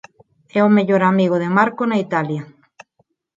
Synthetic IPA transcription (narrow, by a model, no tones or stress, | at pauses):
ɛomeʎoɾamiɣoðemaɾkonait̪aljɐ